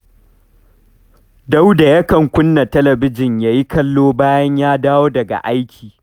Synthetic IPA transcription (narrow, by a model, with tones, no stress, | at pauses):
da˦wda˨jɐ˦kɐ˨ŋkʷʊ˦nːa˨tɐ˦lɐ˨bɪ˦d͡ʒɪ˨ɲjaː˨˦ji˦kɐ˦lːoː˦baː˦jɐ˦ɲjaː˦daː˦woː˦dɐ˨ɡa̰˨ʔa˦jkʲʰiː˨